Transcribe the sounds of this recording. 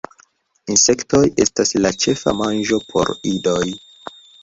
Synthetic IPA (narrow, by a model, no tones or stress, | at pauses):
inse̞kto̞je̞̰staslat͡ʃe̞fa̰mand͡ʒo̞pʰo̞̰ɾido̞j